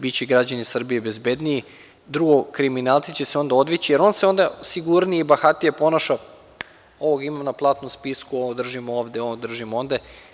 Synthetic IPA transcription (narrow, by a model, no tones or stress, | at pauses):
bit͡ɕeɡɾad͡ʑanisr̩bijebe̞zbe̞d̪nii | d̪ɾuɡokɾiminalˠt̪sit͡ɕeseo̞nd̪ao̞d̪ʋit͡ɕijeɾo̞nseo̞nd̪asiɡuɾniibaxat̪ijepo̞naʃa | o̞ʋoɡaimamnaplˠaːt̪nomspiskuood̪r̩ʒimooːʋd̪eod̪r̩ʒimo̞nd̪e